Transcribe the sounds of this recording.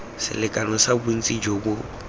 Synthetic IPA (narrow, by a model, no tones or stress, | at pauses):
sɪ̰lɪkʼanɔsabʊn̩t͡sʼid͡ʒobʊ